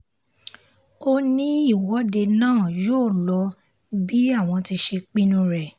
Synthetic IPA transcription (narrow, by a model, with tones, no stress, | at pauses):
o˧nĩ˦i˦˨wɔ˨˦de˧nãː˦˨joː˦˨lɔ˨˧˦ | bi˦a˦˨w̃ɔ̃˧ti˧ʃe˧k͡pi˦nũ˧ɾɛ˨